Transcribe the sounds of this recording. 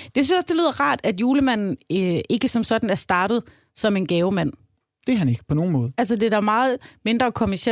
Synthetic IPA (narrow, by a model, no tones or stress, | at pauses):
d̥e̝syn̩sjɒ̽sd̥ely̰ːð̰ˠɐʁɑ̰̈ːd̥æd̥juːləmæn̰n̩ʔe̝ɡ̥əsɒ̽msɒ̽d̥n̩æɐsd̥ɑ̈ːɾ̥ð̞̩ˠ | sɒ̽me̝nɡ̥ɛːʊmæn̰ | d̥e̝ɦæne̝ɡ̥ə̥pʰɒno̝ːn̩mɔ̽ːð̞̩ˠæls̬əd̥e̝d̥æmɑ̈ːð̩ˠme̝nd̥ʁɐkʰomæɐɕe